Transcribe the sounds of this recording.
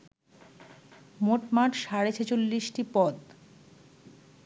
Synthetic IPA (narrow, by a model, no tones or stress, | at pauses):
moʈmaʈʃaɾet͡ɕʰet͡ɕolːiʃʈipɔd̪